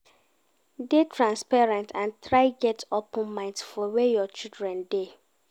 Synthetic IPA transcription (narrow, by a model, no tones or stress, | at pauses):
detʰɹãnspaɹɛ̃ntʰãntʰɾaɪɡɛtʰɔpɔ̃nmãɪ̃ntfɔwejɔt͡ʃildɹɛ̃nde